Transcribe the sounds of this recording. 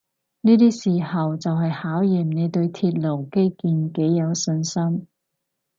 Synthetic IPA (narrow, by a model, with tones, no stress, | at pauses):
niː˥t̪iː˥siː˨˩hɐ˨wt͡sɐ˨wɦɐ˨jhaː˨˥wjiː˨˩mne˨˧jt̪ɵ˧ɥt̪ʰiː˧t̚lo˨˩wke˥jkiː˧nke˨˥jːɐ˨˧wsɵ˧nsɐ˥m